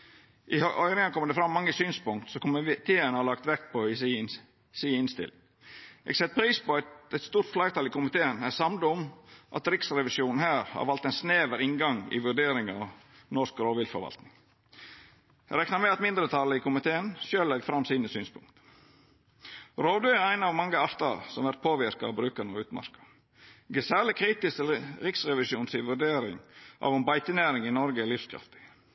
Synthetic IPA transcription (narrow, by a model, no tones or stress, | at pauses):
ʔɪhʔœʏɾɪŋɑkʰɔmːəd̪əfɾɑmːɑŋːəsyːnspʊŋkt̪sɔkʊmɪt̪ʰeːənhɑɾlɑkt̪ʋɛkpʰɔɪs | siːɪnst̪ɪ̰lɪ | ʔɛ̰ːɡsɛt̪̚ːpʰɾiːspɔɛɪt̪st̪uːɾt̪flæɪt̪ɑːlɪkʊmɪt̪ʰeːənæsɑmd̪ʊmʔɑ̰t̪ɾɪksɾɛʋɪʃjuːnn̩hæːɾhɑ̰ɾʋɑlt̪ɛɪnsneːʋəɾɪŋɡɑŋɪ̰ʋʉɖeːɾɪŋɑ̰ʋ | nɔskɾoːʋɪlfɔ̰ɾʋɑ̰lt̪nɪŋ | ɾɛknɑɾmɛɑt̪mɪnd̪ɾət̪ʰɑlːəɪkʊmɪt̪ʰeːənʃøːlɛɡfɾɑmːsiːnəsyːnspʰʊŋkt̪ | ɾoːʋd̪ʉːɛæɪnɑʋmɑŋːəɑft̪ʰɑ̰lsɔmʋæɾt̪̚pʰoːʋɪɾkɑɑʋbɾʉːkəɳnəəʉːt̪mɑ̰ɾkə̥ | ɡəsæːɭɪkʰɾiːt̪ɪst̪ɛlɾɪksɾɛʋɪʃjuːnsɪʋʉɖeːɾɪ̰ŋʔɑ̰ʋɛnbɑɪt̪ənæːɾɪŋɪnɔɾɡəɛlɪfskʰɾɑ̰ft̪ɪ̥